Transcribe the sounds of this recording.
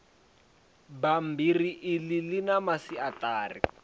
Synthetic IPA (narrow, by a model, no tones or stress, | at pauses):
bam̩biriʔɪlɪlɪnamasiataːri